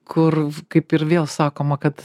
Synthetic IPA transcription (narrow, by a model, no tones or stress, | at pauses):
kʰʊrkɐɪpɪɾʋʲeːlˠsɑːkoːmɐkɐt̪